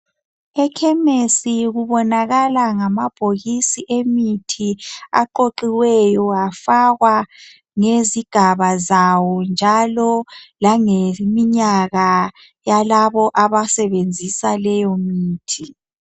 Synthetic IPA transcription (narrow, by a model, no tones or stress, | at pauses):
ɛkʰɛmesiɣuβɔnaɣalaŋamab̥ʱoɣisiʔemitʰia̰ǃoǃiwɛjɔafaɣwa | ŋeziɡ̥ʱaβazawɔnd͡ʒʱalɔlaŋemiɲaɣa | jalaβɔʔaβasɛβend͡zʱisalɛjɔmiːtʰi